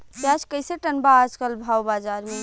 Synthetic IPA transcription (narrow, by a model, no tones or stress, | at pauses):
pjat͡ʃkəjseʈənbaːd͡ʒkəlbʱawbad͡ʒaɾme